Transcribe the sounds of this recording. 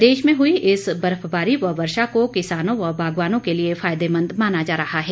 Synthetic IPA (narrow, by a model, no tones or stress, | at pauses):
d̪eːʃmẽɦʊiʔɪsbɐɾəfbaːɾiʋɐʋɐɾʃakokɪsaːnõʋɐbʱaːɡʋaːnõkeliefaːjd̪emɐ̃nd̪maːnad͡ʒaːɾɐhaɦɛː